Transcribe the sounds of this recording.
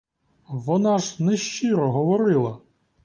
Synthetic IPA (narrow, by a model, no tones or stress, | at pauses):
ʋɔnɑʒnɛʃt͡ʃiɾɔɦɔʋɔɾɪlˠɐ